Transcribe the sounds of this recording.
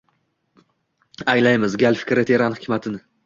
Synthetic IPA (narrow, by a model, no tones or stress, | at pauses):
ajlajmɪzɡʲalfɪ̥kʲɾet̪ʰeɾanhɪkʲmat̪ʰɪnɪ